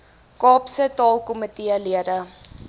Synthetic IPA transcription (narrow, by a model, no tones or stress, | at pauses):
kɑːpsətɑːlˠkomətiəliəɾə